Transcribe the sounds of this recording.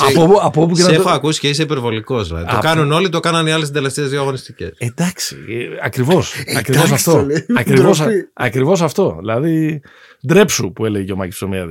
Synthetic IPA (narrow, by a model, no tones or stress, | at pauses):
ɐɐpopueexoɐkusi̥ceis̬eipe̞ɾvo̞liko̞znɐ̰ðt̪okɐnuno̞lit̪o̞kɐnɐniɐles̬id̪eleft̪eːzðiɐɣo̞nist̪ice̞̰sed̪ɐksi̥̰ɐkɾivo̞sɐkɾivos̬ɐft̪oɐkɾivosɐkɾivo̞s̬ɐft̪o̞ðḭlɐði | d̪ɾe̞psupue̞leʝeʝeomɐci̥ssomiɐ̰ð